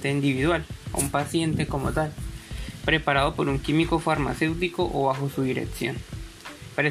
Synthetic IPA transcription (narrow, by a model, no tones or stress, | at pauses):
t̪eind̪iβiðwalo̰umpasje̞nt̪e̞komot̪alpɾepaɾaðopoɾuŋkimiko̞faɾma̰se̞wt̪ikoʔo̰βaxosuðiɾḛksjo̞̰n | pɾe